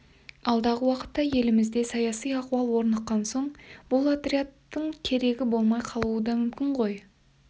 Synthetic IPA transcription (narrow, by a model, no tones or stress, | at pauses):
ɑlˠd̪ɑʁəwɑqə̥t̪ːɑje̞lɪmɪzd̪e̞sɑjɑsijɑquɑlˠwo̞ɾnəqːɑnso̞ɴb̥ʊlˠat̪ɾʲiat̪ːəɴkʲʰe̞ɾe̞ɡʲɪbo̞lˠmɑjqʰɑlˠuəd̪ɑmʏmkʲɪɴʁo̞j